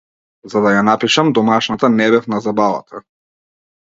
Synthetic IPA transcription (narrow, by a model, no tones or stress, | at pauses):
zad̪ajanapiʃamd̪ɔmaʃnat̪anɛbɛfnazabava̰t̪ʰa